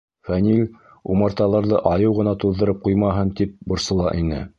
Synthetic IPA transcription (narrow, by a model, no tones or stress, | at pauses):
fænʲilʲ | umɑɾt̪ɑlˠɑɾðɤʔɑjɤwʁɤ̆nɑt̪uðːɤ̆ɾɤp̚qujmɑɦɤnt̪ip̚bŏɾsɤ̆lˠɑ̰ʔinɘ̰